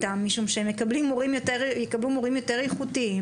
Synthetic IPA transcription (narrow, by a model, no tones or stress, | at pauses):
t̪amːiʃumʃeemjekablimoʁimjot̪eʁjekablumoʁimjo̞t̪e̞ʁjeχut̪iim